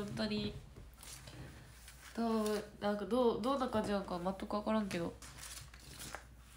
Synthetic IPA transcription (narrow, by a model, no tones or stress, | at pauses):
õnt̪aɲi | t̪anãŋkad̪od̪onːakãɲd͡ʑinãŋkamat̪ːakɯβakaɾãŋke̞d̪o̞̰